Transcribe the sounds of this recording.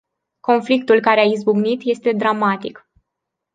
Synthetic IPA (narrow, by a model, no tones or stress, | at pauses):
ko̞nflikt̪ulkaɾeaizbuɡnit̪je̞st̪e̞d̪ɾamat̪ik